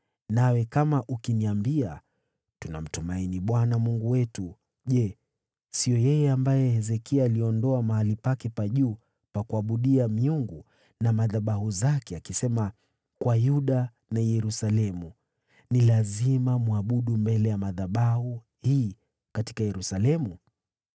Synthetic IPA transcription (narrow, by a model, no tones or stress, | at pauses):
nawɛkamaʔukiniambia | tuna̰m̩tumainiɓwanamuŋɡuwɛtu | ʄɛ | sijɔjɛjɛambajɛhɛzɛkialiɔndɔamahalipakɛpaʄuː | pakuaɓuɗiamiuŋɡu | namaðaɓaɦuzakɛakisɛma | kwajuɗa | najɛɾusalɛmu | nilazimamuaɓuɗumbɛlɛjamaðaɓahu | hiː | kati̥kajɛɾusalɛmu